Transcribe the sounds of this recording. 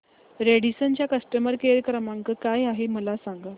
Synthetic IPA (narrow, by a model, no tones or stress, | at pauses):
ɾeɽisənt͡ɕjakəsʈəməɾkeɾjkɾəmaŋkəkajaɦeməlasaŋɡa